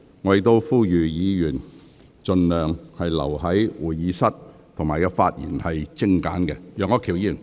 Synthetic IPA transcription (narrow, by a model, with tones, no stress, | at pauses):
ŋɔː˨˧je˨˧t̪o˥wfuː˥jyː˨jiː˨˧jyː˨˩n | t͡ʃɵ˨˧nlœː˨ŋhɐ˨jlɐ̰˨˩whɐ˨˥jwuː˨˩jjiː˨˧sɐ˥t̚t̪ʰʊ˨ŋmaː˨jkɛ˧faː˧t̚jḭː˨˩nhɐ˨jt͡sɪ˥ŋka̰ː˨˥nkɛ˧jœː˨˧ŋɔː˨˧kʰi˨˩wji˧i˨˩n